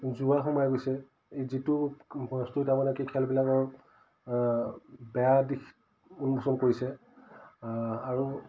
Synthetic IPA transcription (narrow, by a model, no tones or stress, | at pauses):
zuaxumajɡojsɛ | ezitʊstuitamanɛkikʰɛlbilakɔɹ | bɛjadik | unbusɔnkoɹisɛ | aɹu